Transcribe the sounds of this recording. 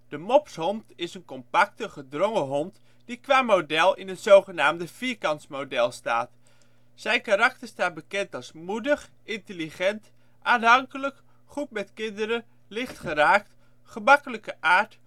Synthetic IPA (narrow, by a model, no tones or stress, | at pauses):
d̥əmɔpshɔntɪsənkɔmpak̚təχədrɔŋəɦɔnt | d̥ikʋaːmodɛlˠɪnətz̥owχənaːmdəfiːkɑntsmowdɛlˠsta̰ːt | sɛjnkaɾɑk̚təɹstaːt̚bəkɛntɑlˠsmudəχ | ɪntəliχɛnt | ʔaːnɦɑŋkələk | χut̚mɛtkɪndəɾə | lɪχtχəraːk̚t | χəmɑkələkəʔaːɹt